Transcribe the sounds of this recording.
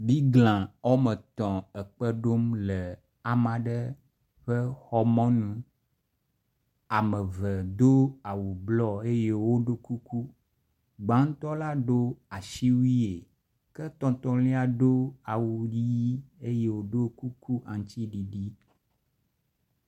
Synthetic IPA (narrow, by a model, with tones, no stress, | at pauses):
bi˦ɡlã˨ɔ˦mə˨t̪ɔ̃˨ɛ˨k͡pə˦ɖo˦mlɛ˨ | a˨mã˨ɖə˦ | ɸə˦xɔ˦mɔ̃˦nũ˨ | a˨mə˨və˨d̪o˦a˨wu˨blɔ˦˨e˦je˦wo˦ɖo˦ku˦ku˦ | ɡ͡bã˨˦ŋ̩˦t̪ɔ˦la˦ɖo˦a˨ʃi˦wi˦e˨ | kɛ˦t̪ɔ̃˦t̪ɔ˦lĩ˦a˨ɖo˦a˨wu˨ɖi˦ji˦e˦je˦wo˨ɖo˦ku˦ku˦ʔã˨ŋ˦t̪i˦ɖi˨ɖi˦